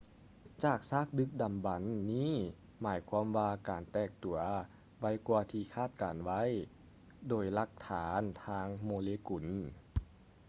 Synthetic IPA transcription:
t͡ɕaː˨˩k̚saː˥˩k̚dɯ˧˥k̚da˨˩mba˨˦nːiː˧˥˨ | maː˨˦jkʰwa˧˥mwaː˧kaː˨˩nt̪ɛː˧˩k̚t̪u˨˩ɐ | wa˧˥jkuː˧ɐt̪ʰiː˧kʰaː˥˩t̪̚kaː˨˩nʋa˦˧˥j | doː˨˩jla˧k̚t̪ʰaː˩˨˦nt̪ʰaː˧˥ŋmoː˧leː˧ku˨˩n

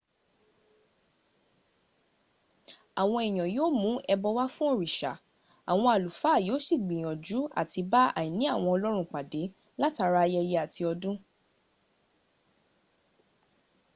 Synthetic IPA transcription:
a˨w̃ɔ̃˧i˨j̃ɔ̃˨joː˦mũ˨˦ɛ˧bɔ˧wa˦fũ˦o˦˨ɾi˨ʃa̰˨ | a˨w̃ɔ̃˧a˨lu˨fa˨˦˨jo˨˦si˦˨ɡ͡bĩ˨j̃ɔ̃˨d͡ʒu˨˦a̰˦˨ti˧ba˦a̰˨jĩ˨nĩ˨˦a˦˨w̃ɔ̃˧ɔ˧lɔ˦ɾ̃ũ˦˨k͡pa˨de˨˦ | la˦ta˧ɾa˦˧jɛ˧jɛ˧˦a˨ti˧ɔ˧dũ˦

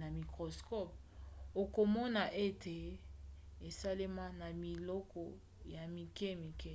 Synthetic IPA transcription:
na˨mi˨kʁo˨skɔ˦p̚ | o˨ko˨mɔ˦na˨ʔe˦te˨ | e˨sa˦le˦ma˦na˨mi˨lɔ˦kɔ˦ | ja˨mi˨ke˦mi˨ke˦

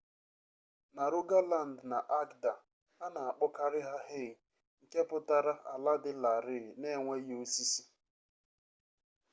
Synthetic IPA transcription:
na˨ɾʊ˦ɡa˦la˨n̩˨dna˨ʔa˦kda˨ | a˦na˨a˨k͡pʊ˦ka˦ɾɪ˦ɦa˦ɦɪ˦˨ɣ | ŋ̩˨ke˦pʊ˦ta˦ɾa˦ʔa̰˨la˦dɪ˦la˨ɾɪ˦˨ne˦˨ŋʷe˦jo˦si˦si̥˦

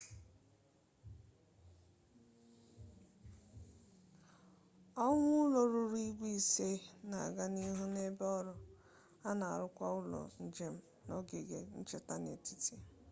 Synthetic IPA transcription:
ɔ˦ŋʷʊ˦ʊ˦lo˨ɾu˨ɾi˦ɡʷi˦˨se˦na˨a̰˨ɡa˦ni˦ɦu˦ne˦bɔ˦ɾʊ˨ | a˦na˨a̰˨ɾʊ˦kʷa˦ʊ˦lɔ̰˨n̩˨d͡ʒe˨m̩˦ | no˦ɡe˨ɡe˨n̩˦t͡ʃe˨ta˦nḛ˨ti̥˦te˦

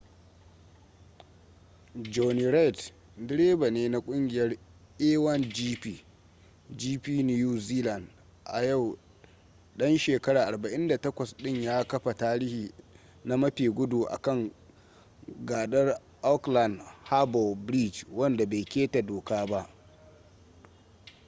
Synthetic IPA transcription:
d͡ʒɔ˨ni˨ɾa˦jt | dɪ˦ɾeː˦ba˨neː˦na˦kʷʼʊ˦ŋɡʲɪ˨jɐ˦rʔɛː˦wɐ˦nd͡ʒiː˦ɸiː˨ | d͡ʒiː˦piː˦ni˦juː˦ziː˦la˨n | ʔa˨ja˦˨w | ɗɐ˦nʃeː˨kɐ˦ɾaː˨ʔa˨rba˨ʔɪ˦nda˨tɐ˦kʷɐ˨sɗɪ˦ɲjaː˦kɐ˦ɸa˨taː˦ɾiː˦hiː˨ | na˦mɐ˦ɸiː˨ɡʷʊ˦du˨ʔa̰˨kɐ˦˨ŋ | ɡaː˨ɗɐ˦r | ʔɔ˦kla˨ndha˦bɔ˨lbɾi˦˨d͡ʒwɐ˦nda˨ba˨jkʲeː˦ta˨doː˨kaː˦ba˦ʔ

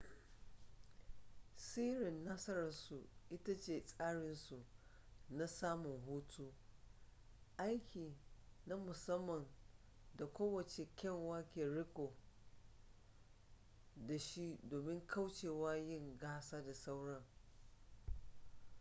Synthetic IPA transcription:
siː˦ɽɪ˨nːa˦sɐ˦ɾɐ˨su˨ʔɪ˦ta˦t͡ʃeː˨sʼaː˦ɽɪ˦nsu˨na˦saː˦mʊ˨ŋɦuː˦tʰuː˦ | ʔa˦jkʲʰiː˨na˦mʊ˨sɐ˦mːɐ˨n | da˨kʷoː˦wɐ˨t͡ʃe˨kʲɐ˦˨ŋwaː˦kʲe˨ɽɪ˦kʷoː˨ | da˨ʃi˦doː˨mɪ˦ŋkʰa˦wt͡ʃeː˨waː˦jɪ˦ŋɡaː˦saː˦da˨sa˦wɽɐ˦ŋ

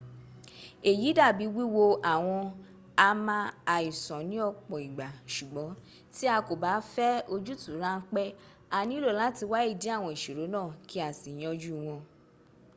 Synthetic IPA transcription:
e˨ji˨˦da˦˨bi˨˦wi˦wo˧ʔa˨w̃ɔ̃˧ | a˧mã˧a˨i˨sɔ̃˨nĩ˨˦ɔ˧k͡pɔ̃˨i˨ɡ͡ba˨ʃu˨ɡ͡bɔ˨˦ | ti˦a˧ko˨ba˨˦fɛ˦o˧d͡ʒu˦tũ˨˦ɾã˦˧n̩˦k͡pɛ˦ | a˧nĩ˦lo˦˨la˨˦ti˧wa˦i˦˨di˨˦a˦˨w̃ɔ̃˧i˨ʃe˨ɾo˨˦nãː˦˨kʰi˦a˨si˨j̃ɔ̃˧d͡ʒu˦w̃ɔ̃˧

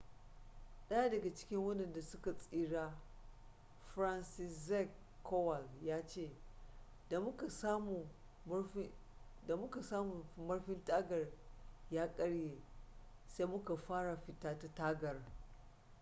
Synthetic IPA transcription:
ɗɐ˦ja˦dɐ˨ɡa˨t͡ʃɪ̥˦kʲɪ˦ŋwɐ˦ɗɐ˨nda˨sʊ˦ka˨sʼiː˦ɽaː˦ | ɸɾa˦nsɪ˦szɛ˦˨kʰː | ɔ˦wa˨ljaː˦t͡ʃeː˦˨ | da˨m˦ka˨sa˦mu˨˦ | da˨mʊ˦ka˨saː˦mʊ˨mɐ˦ɽɸɪ˦ntaː˦ɡɐ˨rjaː˦kʼɐ˦ɽjeː˨ | se˦jmʊ˦ka˨ɸaː˦ɽa˨ɸɪ˨taː˦ta˦taː˦ɡɐ˨r

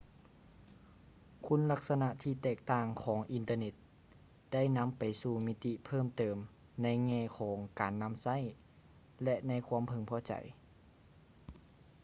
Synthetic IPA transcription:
kʰu˧˥˨nla˧˥k̚sa˧na˧ʔt̪ʰiː˧˩t̪ɛː˧˩k̚t̪aː˧˩ŋkʰɔː˩˦ŋʔi˨nt̪ɤː˧ne˧˥t̪̚ | da˥˩jna˧˥˨mpa˨˩jsuː˧˩mi˦˧˥t̪i˧˥pʰɤː˥˩˨mt̪ɤː˨˩m | na˧˥˨jŋɛː˧˩kʰɔː˩˦ŋkaː˨nːa˧˥˨msa˧˥˨j | lɛ˧ʔna˧˥˨jkʰuː˧˥ə˨mpʰɤ˧˩ŋpʰɔː˧˩t͡ɕa̰˨˩j

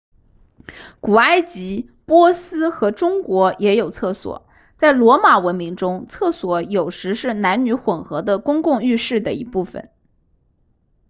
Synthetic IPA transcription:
ku˨˩a˥ɪt͡ɕi˧˥ | pwɔ˥sɹ̩˥xɤ˧˥ʈ͡ʂʊ˥ŋkwɔ˧˥jʔɛ˧˥jo˨˩ʊt͡sʰɤ˥˩swɔ̰˨˩˦ | t͡sa˥˩ɪlwɔ˧˥ma˨˩wə˧˥nmi˧˥ŋʈ͡ʂʊ˥ŋt͡sʰɤ˥˩swɔ˧˥jo˨˩ʊʂɻ̩˧˥ʂɻ̩˥˩na˧˥nny˧˥xwə˨˩nxɤ˧˥d̪ə˧kʊ˥ŋkʊ˥˧ŋy˥˧ʂɻ̩˥˩d̪ə˩ḭ˧˥pu˥˩fə̰˩˦n

